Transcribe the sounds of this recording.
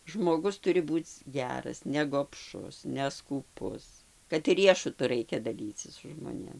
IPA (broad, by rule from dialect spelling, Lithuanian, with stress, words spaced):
ʒmoːˈɡʊs ˈtʊrʲɪ ˈbuːt͡s ˈɡʲæːrɐs nʲɛɡoːpˈʃʊs nʲɛskuːˈpʊs kɐt ˈrʲiɛʃʊtʊ ˈrɐɪkʲɛ dɐˈlʲiːt͡sʲɪs sʊ ʒmoːˈnʲeːm